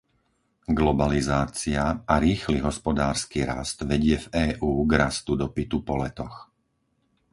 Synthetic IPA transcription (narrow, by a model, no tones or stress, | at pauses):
ɡlɔbalizaːt͡siaaɾiːxliɦɔspɔd̪aːɾskiːɾa̰st̪ʋɛɟɪɛvɛːʔuːɡɾast̪ud̪ɔpit̪upɔlɛt̪ɔx